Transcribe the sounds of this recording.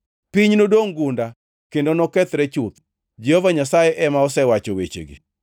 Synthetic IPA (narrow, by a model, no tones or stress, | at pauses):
piɲnodoŋɡunda | kendonɔkɛt̪ɾɛt͡ʃʊt̪̚ | d͡ʒɛhɔvaɲasajɛʔɛmaɔsɛwat͡ʃowet͡ʃḛɡḭ